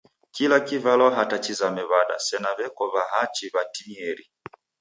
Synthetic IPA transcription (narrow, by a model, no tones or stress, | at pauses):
kilakivalɔɦatat͡ʃizamɛβaɗa̰sɛnaβɛkɔβaɦat͡ʃiβatiɲɛɾi